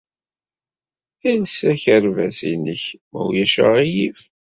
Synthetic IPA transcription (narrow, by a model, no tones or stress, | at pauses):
ælsæçəɾvæsinəçmæ̰wjæʃə̰ʁijiv